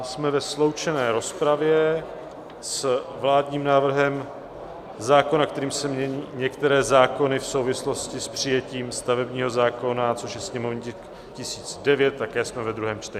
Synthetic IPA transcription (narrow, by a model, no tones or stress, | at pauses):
smɛvɛslo̞wt͡ʃɛnɛːɾo̞spɾavjɛ | svlaːdɲiːmnaːvr̩ɦɛm | zaːko̞nak̚t̪ɛɾiːmsɛmɲɛɲiːɲɛkt̪ɛɾɛːzaːko̞nɪfsowvɪslo̞scɪspr̝̥ɪjɛciːmst̪avɛbɲiːɦo̞zaːko̞nat͡so̞ʃjɛsɲɛmo̞vɲiɛ | cɪsiːt͡sdɛvjɛt̪̚t̪ːakɛːsmɛvɛd̪ɾuɦɛːmt͡ʃt̪ɛɲɪ